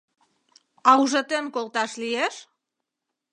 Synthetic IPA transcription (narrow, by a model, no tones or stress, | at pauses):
ɑuʒət̪enkolt̪ɑʃlieʃ